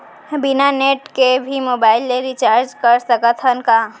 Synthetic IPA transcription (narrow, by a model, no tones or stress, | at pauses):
bɪnaneːʈkebʱimoːbaːɪlːeɾit͡ʃaːɾd͡ʒkɐɾsɐkət̪ʰənka